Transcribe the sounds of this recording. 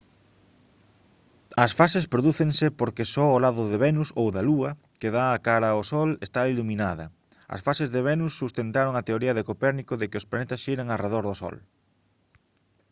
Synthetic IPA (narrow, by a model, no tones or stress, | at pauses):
ɐsfasespɾoðuθeŋsɪpoɾkɪsɔolaðʊðeβɛnusowðɐluɐ | keðaːkaɾɐosɔlest̪ailumĩnaðɐ̰ | ɐ̰sfasezðeβɛnusːust̪ent̪aɾoŋɐt̪eoɾiɐðekopɛɾnikʊðɪkɪʊsplanet̪ɐsʃiɾɐŋareðoɾðʊsɔ̰l